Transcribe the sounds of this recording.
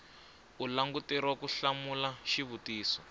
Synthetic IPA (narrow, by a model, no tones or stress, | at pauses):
ulaŋɡutɛɾwakuɬamulaʃiβutiːsɔ